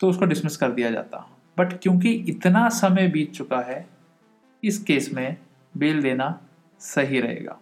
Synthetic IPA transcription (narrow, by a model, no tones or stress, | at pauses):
t̪oʊskoɖɪsmɪskɐɾd̪ijad͡ʒa̰ːt̪a̰ | bɐʈkjõːk̬iɪt̪nasɐməjbʱiːt͡ʃt͡ʃʊkaɦɛ | ɪskeːsmẽ | beːld̪eːna | sɐɦiɾɐɦḛːɡa̰ː